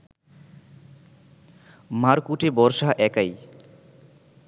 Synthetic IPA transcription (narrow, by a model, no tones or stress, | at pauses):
maɾkuʈebɔɾsaʔɛkʌj